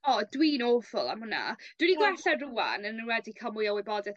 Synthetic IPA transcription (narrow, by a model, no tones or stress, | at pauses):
ɔdwiːnoːfʊlˠa̰mhʊna̰d̥winiɡlˠɛɬaruːa̰nənnwɛdikʰamʊjɔwɪbɔdɛθ